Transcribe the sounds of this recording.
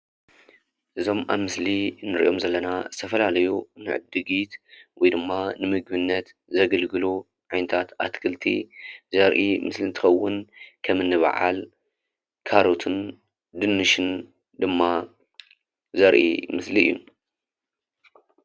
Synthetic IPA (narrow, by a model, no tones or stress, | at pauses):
ʔɨzo̞mʔaβmɨslinɨɾḭʔo̞mzɐlːɐnazɨt̪ʰɐfɐlalɐjunɨ̰ʕɨ̰b̚d̪ɨɡit̪wɔjd̪ɨmːanɨmɨɡ̚bɨnːɐt̪ | zɐɡɐlɡɨlu | ʕajnɐt̪ʰat̪a̰t̪kʰɨlt̪ʰḭzɐɾʔimɨslint̪ʰɨxɐwːʊnkʰɐmɨnːɨβa̰ʕa̰l | kʰaɾot̪ʰɨn | d̪ɨnːɨʃɨn | d̪ɨmːa | zɐɾʔḭmɨsliɨ̰jːu